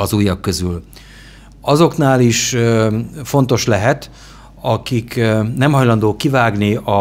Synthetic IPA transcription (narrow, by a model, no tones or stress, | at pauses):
ɒzuːjːɒkːø̞zyl | ɒzo̞knaːliʃ | fo̞nt̪o̞ʃlɛɦɛt̪ | ɒkiknɛmɦɒjlɒnd̪oːkivaːɡniɒ